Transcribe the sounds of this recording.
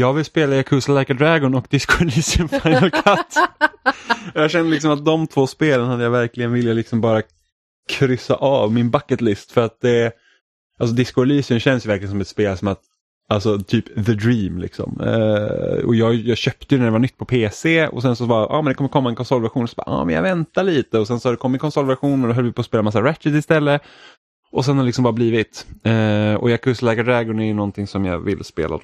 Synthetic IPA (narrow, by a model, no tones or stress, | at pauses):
jɑːɡvɪlspeːlajakʰɵsalajkad̪ɾaːɡɔnɔkd̪ɪskʊaliːsɪənfaɪnakʰat̪ː | jɑːɡɕɛnːəlɪksɔmat̪̚d̪ɔmt̪ʰv̥oːspeːlənhad̪ːjavæɾklɪɡənvɪljalɪksɔmbɑːɾa | kʰɾʏsa̰ʔɑːvmɪnbakːət̪lɪst̪fœɾat̪̚d̪ɛ | alsɔd̪ɪskʊliːsɪənɕɛnd̪əsjʏvæɾklɪɡənsɔmɛt̪speːlsɔmat̪ | alsɔt̪ʰyːpðəd̪ɾiːmlɪ̰ksɔ̰m̰ | ɔ̰jɑːjɑːɡɕœpt̪əjɵnæɖ̪ɛvaɳʏt̪ːpʰɔpʰeːseɔ̰sɛnsɔbɑːʔɑ̰ːmɛnd̪ɛkɔmːəɾkʰɔmːaɛnkʰɔnsɔlːvɛɾɧuːnɔsɔbɑ̰ːʔɑ̰ːmɛnja̰vɛnt̪aɭiːt̪əɔsɛnsɔhad̪ɛkɔmːɪt̪̚kʰɔnsɔlvæɾɧuːnɔnd̪ɔɦœləvɪpʰoːspeːlamas̬ːaɾɛɪsɪst̪ɛlːə | ɔs̬ɛnhad̪lɪksɔmbɑːɾabliːvɪt̪ɛɔ̰jɑːɡkʰɵst̪lɛːɡad̪ɾɛɡʊnɛjɵnɔnt̪ɪŋsɔmjɑ̰ːvɪ̰lːspḛːla̰